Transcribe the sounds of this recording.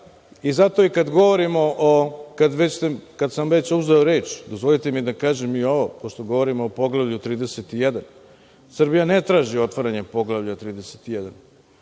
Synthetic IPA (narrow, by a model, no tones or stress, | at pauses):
izat̪o̞ikad̪ɡo̞ʋoɾimoʔokad̪ʋet͡ɕst̪ekad̪samʋe̞t͡ɕuzeoɾe̞ːt͡ʃd̪o̞zʋo̞lˠit̪emid̪akaːʒemio̞ʋopoʃt̪o̞ɡo̞ʋo̞ɾimoopo̞ɡlˠavʎut̪ɾiːd̪eset̪ijɛd̪an | sr̩bijanet̪ɾaːʒio̞t̪ʋaɾaɲe̞po̞ɡlˠavʎat̪ɾiːd̪eset̪ijed̪an